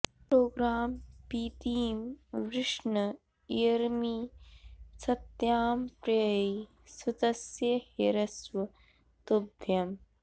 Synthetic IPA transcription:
pɾoːɡɾaːmpiːt̪iːmʋɾɪʂɳɐ | iɾmi | sɐt̪jaːmpɾɐjj | sud̪ɐsjɐheɾɐswɐ | t̪ubʱjɐm

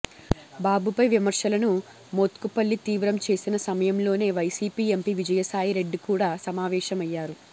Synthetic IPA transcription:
baːbupɐjʋimɐɾʂɐlɐnu | mot̪kupɐlːit̪iːʋɾɐmt͡ʃe̞ːsinɐsɐmɐjɐmlo̞ːne̞ːʋɐjsiːpiːe̞mpiːʋid͡ʒɐjɐsaːjiɾe̞ɖːikuːɽaːsɐmaːʋɛːʃɐmɐjːaːɾu

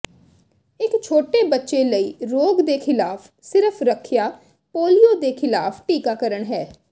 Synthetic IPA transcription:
ɪkt͡ʃʰoːʈeːbətːʃeːləiːɾoːɡd̪eːkʰɪlaːpʰ | sɪɾəpʰɾəkʰɪjaː | poːlijoːd̪eːkʰɪlaːpʰʈiːkaːkəɾəɳɦɛː

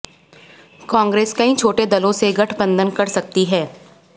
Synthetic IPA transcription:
kãːŋɡɾeːskɐɦĩt͡ʃʰoːʈed̪ɐlõseɡʱɐʈʰbə̃nd̪ənkɐɾsɐk̚t̪iɦɛː

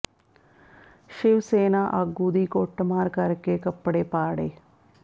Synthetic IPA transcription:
ʃɪʋseːnaːʔaɡuːd̪iːkoʈmaːɾkəɾkeːkəpɽeːpaːɽeː

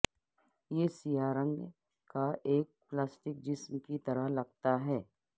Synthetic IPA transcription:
jeːsijaːɾə̃ŋɡ | kaʔeːk̚plaːsʈɪk̚d͡ʒɪsmkit̪ɐɾəɦlɐɡt̪aɦɛː

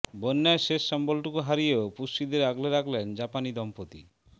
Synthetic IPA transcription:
bonːaeʃeʃːɔmbolʈukuɦaɾijeopusʃid̪eɾaɡleɾakʰlend͡ʑapanid̪ɔmpot̪ḭ

